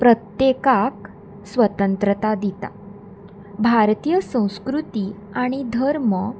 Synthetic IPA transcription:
pɾət̪jekak̚ | sʋət̪ənt̪ɾət̪ad̪it̪a̰ | bʱaɾt̪ijəsə̃w̃skɾut̪i | aɽ̃id̪ʱəɾmə

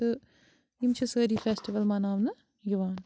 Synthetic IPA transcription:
ɨ | imt͡ʃʰɨsəːɾiːfesʈiʋɐlmanaːʋnɨ | juʋaːn

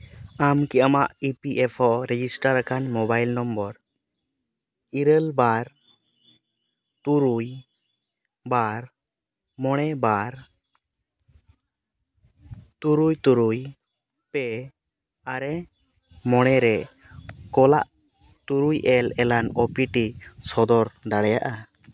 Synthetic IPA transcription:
amkiamaʔipiʔɛpʰɔʔɾɛd͡ʒisʈaɾakanmɔbajlnɔmbɔɾ | iɾəlbaɾ | t̪uɾuj | baɾ | mɔɽ̃ɛbaɾ | t̪uɾujt̪uɾuj | pɛ | aɾɛ | mɔɽ̃ɛɾɛ | kɔla̰ʔ | t̪uɾujʔɛlɛlanɔpiʈisɔd̪ɔɾd̪aɽɛjaʔa

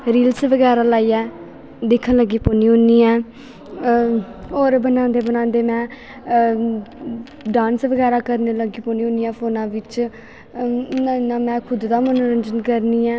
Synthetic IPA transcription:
ɾiːlsʋəɡɛːɾaːlaːiːɛː | d̪ɪkʰːənləɡiːpoːniːõːniːɛː | oːɾbənãːnd̪eːbənãːnd̪eːmɛ̃ː | ɖãːnsʋəɡɛːɾaːkəɾneːləɡiːpoːniːõːnijãːpʰoːnãːʋɪt͡ʃ | amɛ̃ːkʰʊd̪d̪aːmənoɾənd͡ʒənkəɾniːɛː

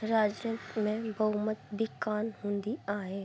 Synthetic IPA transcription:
ɾaːd͡ʒət̪mẽbʱəɦʊmət̪̚bʱikaːnɦũːnd̪iaːeː

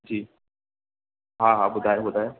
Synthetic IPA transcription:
d͡ʒiː | ɦãɦãbʊd̪ʱaeɦoːt̪aɦɛ

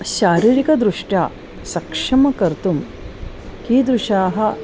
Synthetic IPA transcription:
ʃaːɾiːɾikɐd̪ɾuʂʈjaː | sɐkʂɐmɐkɐɾt̪um | kiːd̪ɾuʂaːɦɐ̆

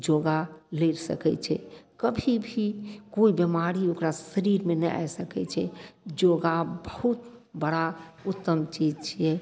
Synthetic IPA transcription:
d͡ʒoɡaleɾsə̰kɛ̰t͡ʃʰɛ̰kəbʱibʱikoibemaɾiokɾasəɾiɾmenɛa̰jsəkɛ̰t͡ʃʰɛ̰d͡ʒoɡabəhut̪bəɽaut̪ːəmt͡ʃid͡ʒt͡ʃʰijɛ

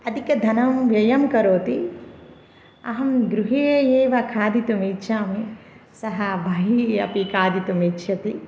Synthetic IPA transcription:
ɐd̪ʱikɐd̪ʱɐnɐmʋjɐjɐmkɐɾoːt̪i | ɐ̰ɦɐmɡɾuɦejeːʋɐkʰaːd̪it̪umiːʃaːmi | sɐɦɐbʱɐɦiːɐ̰pikʰaːd̪it̪umiːtːʃʰɐt̪i

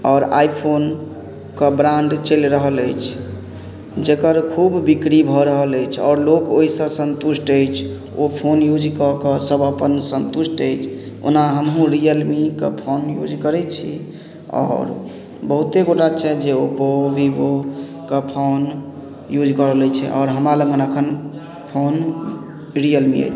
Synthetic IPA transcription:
ɔːɾa̰jpʰon | kəbɾaɳɖt͡ʃəlɾəɦələjt͡ʃʰ | d͡ʒekəɾkʰubːikɾibʱɔɾəɦələjt͡ʃʰɔ̰ːɾlokoɦisə̃sə̃nt̪usʈəjt͡ʃʰ | opʰonjud͡ʒkəkəsəbəpənsənt̪usʈəjt͡ʃʰ | o̰naɦəmɦũɾijəlmikḛpʰonjṵd͡ʒkəɾɛt͡ʃʰḭ | ɔ̰ːɾ | bəɦut̪eɡoʈat͡ʃʰɛd͡ʒeopobʱibo | kepʰon | jud͡ʒkəɾəlɛt͡ʃʰɛ̰ʔɔ̰ːɾɦəmɾaləŋɡənəkʰən | pʰon | ɾijəlmḭə̰jt͡ʃʰ

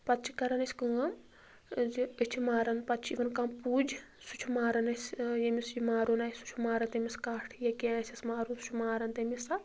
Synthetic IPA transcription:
pɐt̪t͡ʃʰikɐɾɐnɐsʲkɨɐm | zɨt͡ʃʰimaːɾɐnpɐt̪t͡ʃʰiʋɐnkampuːd͡ʒ | sut͡ʃʰumaːɾɐnɐsʲjemisjimaːɾunɐsu̥t͡ʃʰumaːɾɐnt̪emʲiskaːʈʰjɐkenɐsʲɐsmaːɾunsu̥t͡ʃʰmaːɾɐnt̪emisɐ

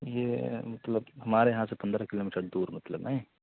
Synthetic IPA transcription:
jeːmɐt̪ləbɦɐmaːɾejɐɦãsepɐ̃nd̪ɾakɪloːmiːʈəɾd̪uːɾmɐt̪ləbnaːɦĩ

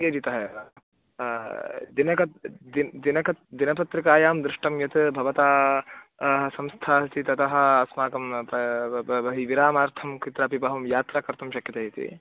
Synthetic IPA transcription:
ked͡ʒit̪ɐɦɐ | d̪inɐkɐd̪id̪inɐkɐd̪inɐpɐt̪ɾɐkaːjaːmd̪ɾɪʂʈɐmjɐt̪bʱɐʋɐt̪aː | ɦɐsɐmst̪ʰaːt̪it̪ɐt̪ɐɦɐ̆ɐsmaːkɐmpɐbɐɦiʋiɾaːmaːɾt̪ʰɐmkit̪ɾaːpipɐɦɐmjaːt̪ɾaːkɐɾt̪ɐmʃɐkjɐt̪ɐɦit̪ḭ

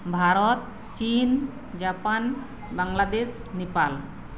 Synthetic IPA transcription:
bʱaɾɔt̪̚ | t͡ʃin | d͡ʒapan | baŋlad̪eʃ | nepal

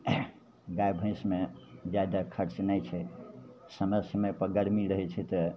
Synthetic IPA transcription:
ɡajbʱə̃ĩsmed͡ʒad̪akʰəɾt͡ʃnəjt͡ʃʰɛ | səməsəmepəɡəɽmiɾəɦɛt͡ʃʰɛt̪ə

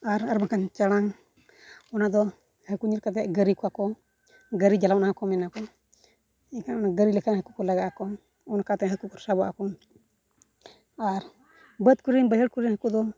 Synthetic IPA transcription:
aɾaɾmakant͡ʃaɽaŋ | ɔnad̪ɔ | həkuɲiɾkat̪̬ɛʔɡəɾikɔakɔ | ɡəɾid͡ʒalawnahakɔmɛnakɔ | ɛkanɔnaɡəɾilɛkʰanɦəkukɔlaɡaʔakɔ | ɔnakat̪ɛɦəkukɔɾsabɔʔa̰kɔ | aɾ | bət̪̚kuɾinbəɦəɽkuɾinhəkud̪ɔ

